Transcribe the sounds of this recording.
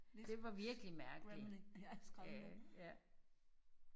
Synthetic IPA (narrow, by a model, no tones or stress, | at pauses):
dd̥e̝ʋɑ̈ʋiɐɡ̥əlimæɐɡ̥i | jæ